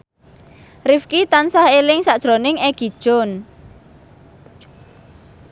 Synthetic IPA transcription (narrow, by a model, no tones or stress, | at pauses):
rifkit̪ansahelɪŋsaʔd̥ʒ̥ɾonɪŋɛɡ̥id̥ʒ̥ɔn